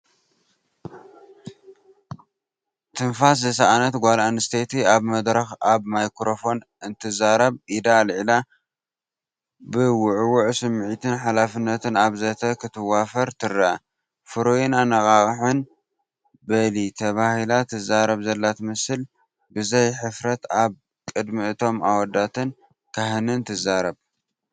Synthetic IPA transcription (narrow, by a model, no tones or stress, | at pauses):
t̪ʰɨnfas̬zɨsɐʔanɐt̪ɡʷalanɨst̪ʰet̪ʰiaβmɐd̪ɾɐxaβmajkɾo̞fo̞n | ʔɨnt̪ʰɨzaɾɐβʔid̪alʕla | bɨwʊʕwʊʕsɨmːʕit̪ʰɨnħalafɨnːɐt̪ʰɨnaβzɐt̪ʰɐkʰɨt̪ʰɨwafɐɾt̪ʰɨrːɐʔa | fɨɾojinanɐkʼaχʼħɨn | bɐlit̪ʰɐβahilat̪ʰɨzaɾɐβzɐlːat̪mɨsɨl | bɨzɐjħɨfɾɐt̪aβ | kʼɨd̪miʔɨt̪ʰo̞mawɔd̪at̪ʰɨn | kʰahɨnɨɨnt̪ʰɨzaɾɐβ